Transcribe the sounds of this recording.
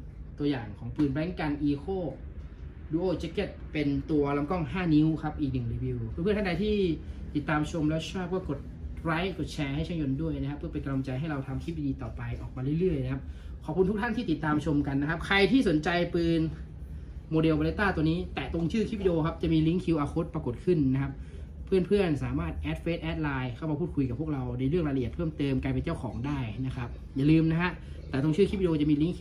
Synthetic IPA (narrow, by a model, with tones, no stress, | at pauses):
t̪u˧ɐjaː˨˩ŋkʰɔː˩˦ŋpɯː˧nbɛ˦˥ŋka˧nʔiː˧kʰoː˥˩ | duː˧ʔoː˧˩t͡ɕe˦˥ke˦˥˩t̪̚pe˧nt̪u˧ɐla˧˦˥mkɔ˥˩ŋɦaː˥˩ni˦˥wkʰa˦˥p̚ʔiː˨˩k̚nɯ˨˩ŋɾiː˨˧˩wi˧wpʰɯ˥˩pʰt̪ʰa˥˩da˧jt̪ʰiː˥˩t̪i˨˩t̪ːaː˧mt͡ɕʰo˧mlɛː˦˥t͡ɕʰɔː˥˩k̚wɔː˥˩ko˨˩t̪̚ɾaː˦˥jko˨˩t̪̚t͡ɕʰɛː˧ha˥˩jt͡ɕʰaː˦˥˩ŋjo˧ndu˥˩əjna˦˥kʰpʰɯ˥˩pe˧nka˧lo˧mt͡ɕa˧jɦa˥˩jɾa˧wt̪ʰa˧mkʰi˦˥p̚iː˧diː˧t̪ɔː˨˩pa˧jʔɔ̰ː˨˩k̚maː˧ɾɯ˥˩jlɯ˥˩əjna˦˥kʰa˦˥p̚kʰɔː˨˩p̚kʰu˧nt̪̚ʰt̪ʰnt̪iː˥˩t̪i˨˩t̪ːaː˧mt͡ɕʰo˧mka˧nːa˦˥kʰa˦˥p̚kʰa˧jt̪ʰiː˥˩so˩˦nt͡ɕa˧jpɯː˧n | moː˧de˧wpa˧le˦˥t̪aː˥˩t̪u˧əniː˦˥t̪ɛː˨˩t̪o˧ŋt͡ɕʰɯː˥˩kʰi˦˥p̚ːi˧ʔoː˧kʰa˦˥p̚t͡ɕa˨˩miː˧li˦˥ŋkʰi˧wʔaː˧kʰo˦˥t̪̚pɾa˧ko˨˩t̪̚kʰɯ˥˩nːa˦˥kʰa˦˥p̚ | pʰːɯ˥˩ənpʰɯ˥˩ənsaː˩˦maː˥˩t̪̚ʔɛː˦˥t̪̚feː˦˥t̪ʔɛː˦˥t̪̚laː˧jkʰa˦˥˩maː˧pʰuː˥˩t̪̚kʰu˧jka˨˩pʰu˥˩ək̚ɾa˧wna˧jɾɯ˥˩ŋɾaː˧lt̪̚pʰɤː˥˩mt̪ɤː˧mkaː˧jp̬e˧nt͡ɕa˥˩wkʰɔː˩˦ŋdaː˥˩jna˦˥kʰa˦˥p̚ | jaː˨˩lɯː˧mna˦˥kʰa˦˥ʔ | t̪ɛː˨˩t̪o˧ŋt͡ɕɯː˥˩i˦˥p̚i˧ʔoː˧t͡ɕa˨˩ʔmiː˧li˦˥ŋkʰ